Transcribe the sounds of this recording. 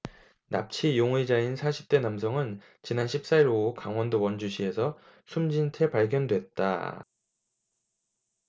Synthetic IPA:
na̰p̚t͡ɕʰijoŋid͡ʑainsʰaɕʰi̥p̚t͈e̞namsʰʌŋɯn | t͡ɕinanɕʰip̚s͈aiɾokaŋwʌndowʌnd͡ʑuɕʰie̞sʰʌ | sʰumd͡ʑintʰe̞paɭɡjʌndwe̞t̚t͈a̰

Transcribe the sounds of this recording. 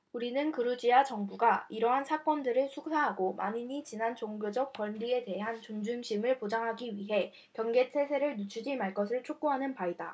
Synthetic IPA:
uɾinɯnkɯɾud͡ʑiat͡ɕʌŋbuɡaiɾʌɦansʰak͈ʌndɯɾɯɭsʰuksʰaɦaɡomʔa̰ɲiɲit͡ɕinant͡ɕoŋɡjod͡ʑʌk̚kwʌɭːie̞te̞ɦant͡ɕoŋd͡ʑumɕʰimɯɭpod͡ʑaŋɦaɡiɥiɦe̞ | kjʌŋɡe̞tʰe̞s̬ʰe̞ɾɯɭnut͡ɕʰud͡ʑimaɭk͈ʌsʰɯɭt͡ɕʰok̚k͈uɦanɯnpaida

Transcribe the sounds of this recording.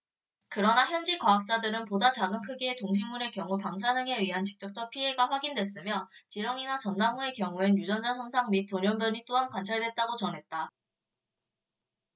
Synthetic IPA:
kɯɾʌnaçjʌnd͡ʑikwaːk̚t͡ɕ͈adɯɾɯnpodat͡ɕaɡɯmkʰɯɡietoŋɕ̬ʰimːune̞kjʌŋupaŋs̬ʰanɯŋe̞ɥiɦant͡ɕi̥k̚t͡ɕ͈ʌk̚t͡ɕ͈ʌpʰiɦe̞ɡaɸwaɡindwe̞s͈ɯmjʌt͡ɕiɾjʌŋinat͡ɕʌnːaŋue̞kjʌŋuenjud͡ʑʌnd͡ʑasʰʌŋsʰaŋmit̚t͈oɲjʌmbjʌɲit͈oɦankwant͡ɕʰaɭdwe̞t̚t͈aɡot͡ɕʌnɦe̞t̚t͈a

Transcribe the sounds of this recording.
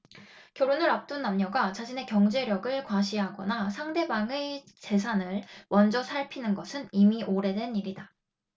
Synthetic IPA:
kjʌɾonɯɾap̚t͈unːamɲʌɡat͡ɕaɕʰine̞kjʌŋd͡ʑe̞ɾjʌɡɯɭkwaɕʰiɦaɡʌnasʰaŋde̞baŋe | t͡ɕe̞s̬ʰanɯɭwʔʌnd͡ʑʌsʰaɭpʰinɯnɡʌsʰɯnimiʔoɾe̞dwe̞niɾida

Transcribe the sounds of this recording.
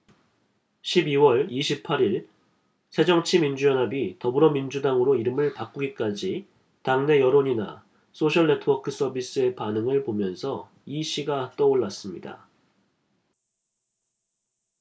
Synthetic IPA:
ɕʰibiwʌɭiɕʰipʰaɾiɭ | sʰe̞d͡ʑʌŋt͡ɕʰimind͡ʑujʌnɦabitʌbɯɾʌmind͡ʑudaŋɯɾoiɾɯmɯɭpak͈uɡik͈ad͡ʑi | taŋne̞jʌɾoɲina̰ | s͈ʰoɕʰʌɭːe̞tʰɯwʌkʰɯs͈ʌbis͈ɯe̞panɯŋɯɭpomjʌnsʰʌ | iɕ͈ʰiɡat͈ʌoɭːas͈ɯmɲida̰

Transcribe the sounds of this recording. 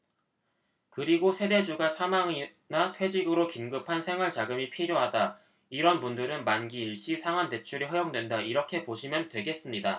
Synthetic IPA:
kɯɾiɡosʰe̞de̞d͡ʑuɡasʰamaŋi | natʰwe̞d͡ʑiɡɯɾokinɡɯpʰansʰe̞ŋɯɭt͡ɕaɡɯmipʰiɾjoɦada | iɾʌnpundɯɾɯnmanɡiːɭɕ͈isʰaŋɦwante̞t͡ɕʰuɾiɦʌjʌŋdwe̞ndaiɾʌkʰe̞poɕʰimjʌntwe̞ɡe̞s͈ɯmɲida

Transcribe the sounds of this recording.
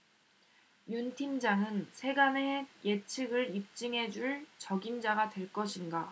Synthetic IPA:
juntʰimd͡ʑaŋɯnsʰe̞ɡane̞je̞t͡ɕʰɯɡɯɭip̚t͡ɕ͈ɯŋɦe̞d͡ʑuɭt͡ɕʌɡimd͡ʑaɡadwe̞ɭk͈ʌɕʰinɡa

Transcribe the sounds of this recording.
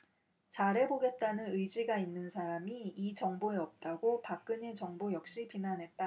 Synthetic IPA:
t͡ɕaɾe̞boɡe̞t̚t͈anɯnɯid͡ʑiɡainːɯnsʰaɾamiːt͡ɕʌŋboeʌp̚t͈aɡopak͈ɯɲit͡ɕʌŋbojʌk̚ɕ͈ipinanɦe̞t̚t͈a

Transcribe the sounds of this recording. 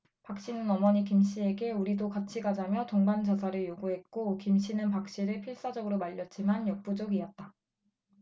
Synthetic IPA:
pak̚ɕ͈inɯnʌmʌɲikimɕ͈ie̞ɡe̞uɾidokat͡ɕʰiɡad͡ʑamjʌtoŋband͡ʑʌsʰaɾɯɭjoɡuɦe̞t̚k͈okimɕ̬͈ʰinɯnpak̚ɕ͈iɾɯɭpʰiɭs͈ad͡ʑʌɡɯɾomaʎːʌt͡ɕ͈imanjʌk̚p͈ud͡ʑoɡiʌt̚t͈a

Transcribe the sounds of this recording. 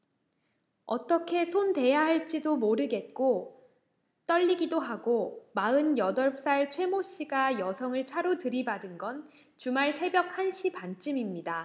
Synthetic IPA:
ʌ̰t͈ʌkʰe̞sʰonte̞jaɦaɭt͡ɕ͈idomoɾɯɡe̞t̚k͈o | t͈ʌʎːiɡidoɦaɡomaɯnjʌdʌɭps͈aɭt͡ɕʰwe̞moɕ͈iɡajʌsʰʌŋɯɭt͡ɕʰaɾotɯɾibadɯnɡʌn | t͡ɕumaɭsʰe̞bjʌk̚hanɕʰipant͡ɕ͈ɯmimɲida

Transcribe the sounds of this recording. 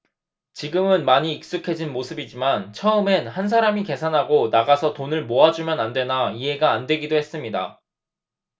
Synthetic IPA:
t͡ɕiɡɯmɯnmaɲiːk̚s͈ukʰe̞d͡ʑinmosʰɯbid͡ʑimant͡ɕʰʌɯme̞nhans̬ʰaɾamike̞sʰanɦaɡonaɡasʰʌtonɯɭmoad͡ʑumjʌnandwe̞naiɦe̞ɡaːndwe̞ɡidohe̞s͈ɯmɲida̰

